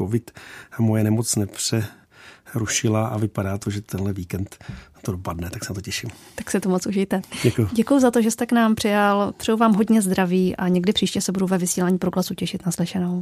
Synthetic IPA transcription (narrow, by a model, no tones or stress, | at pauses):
kovɪt̪mojɛnɛmot͡snɛpr̥ɛ | ɾuʃɪlaʔavɪpadaːt̪oʒɛt̪ɛnɦlɛviːkɛnt̪ː | odopadnɛt̪aksɛnat̪ocɛʃɪmt̪aksɪt̪umot͡suʒɪjt̪ɛɟɛkujuɟɛkujuzat̪oʒɛst̪ɛknaːmpr̝̥ɪjalp̪r̥ɛjuvaːmɦo̞dɲɛzd̪ɾaviːʔaɲɛɡdɪpr̥iːʃcɛsɛbuduvɛvɪsiːlaːɲiːpɾoɡlasucɛʃɪt̪naslɪʃɛno̞w